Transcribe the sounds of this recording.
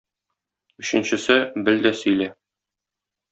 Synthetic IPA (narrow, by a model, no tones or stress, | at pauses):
ɵ̆ɕɘ̆nɕɘ̆sɘbɘld̪æsɵ̆jlæ